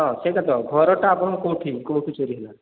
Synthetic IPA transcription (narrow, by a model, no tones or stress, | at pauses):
ɔsekat̪ɔɡʱɔɾɔʈaːpɔɽ̃ɔkõw̃ʈʰikõw̃ʈʰit͡ʃoɾiɦela